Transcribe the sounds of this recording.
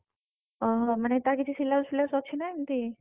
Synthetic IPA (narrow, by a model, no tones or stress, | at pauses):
ɔɦmanet̪akit̪ʰisilːasilːasɔkt͡ʃʰinajnt̪i